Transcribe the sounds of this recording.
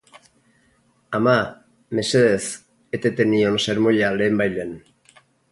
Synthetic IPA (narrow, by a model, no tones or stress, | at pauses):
ama | me̞seðes | et̪et̪enionseɾmoʎale̞ːmbajlen